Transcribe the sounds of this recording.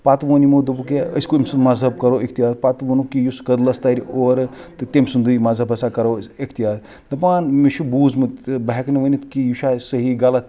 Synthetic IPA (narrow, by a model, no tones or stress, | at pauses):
pat̪ʋɐnimod̪ɨbuk̬eə̰sʲkoimsumɐzɦɐb̚kɐɾoːʔikʰt̪ijaːt̪pat̪ʋɐnukijuskɐd̪lɐst̪aɾʲoːɾt̪ɨt̪emsund̪ɨjmɐzɐbɐsakɐɾoikʰt̪ijaːt̪ | d̪ɐpaːnmeʃubuːzmɨt̪bɐɦeknɐʋɐnit̪kijuʃasɐɦiɡalɐt̪